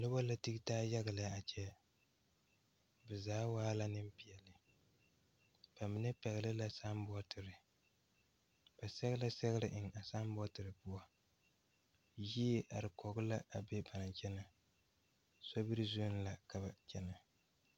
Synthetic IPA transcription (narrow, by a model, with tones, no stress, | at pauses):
lʊ˦bɔ˦la˦ti˦ɡtaː˦ja˦ɣa˨la˨˦a˨t͡ʃɛ˦ | bɛ˨zaː˨˦waː˦la˦nɨ˦mpi˨jɛ˨lɨ˨ | b̥a˨mɪ˨nɛ˦pɛ˨ɣɪ˨lɨ˦la˦sa˦m˦bɔ˦tʰɪ˨ɾɨ˨ | b̥a˨sɛ˦ɣla˦sɛ˦ɣɪ˦ɾɪ˦ʔɪ˨ŋa˨sa˦m˦bɔ˦tɨ˨ɾɨ˨pʊ˦a˦ | ji˦ɛ˦ʔa˨ɾɪ˨kɔ˨ɡʊ˦la˦a˨be˦ba˨na˨t͡ʃɛ˦na˨ | so˦bɨ˦ɾɨ˦zu˦n˨la˨ka˨ba˨t͡ʃɛ˦na˨